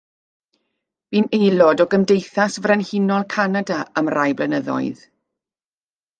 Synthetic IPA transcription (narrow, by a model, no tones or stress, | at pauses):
v̥iːnejlˠɔdɔɡəmdejθasvrɛnhɪnɔlˠkʰanadaamrajblənəðɔ̰ɨð